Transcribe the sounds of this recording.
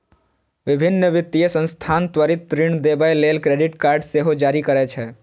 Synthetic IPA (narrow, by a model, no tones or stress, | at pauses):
ʋɪbʱɪnːəʋɪt̪ːijesə̃nst̪ʰant̪ʋəɾɪt̪ːɾiɳ̃d̪ebajlelkɾeɖɪʈkaːɾɖseɦod͡ʒaːɾikəɾɛt͡ʃʰɛ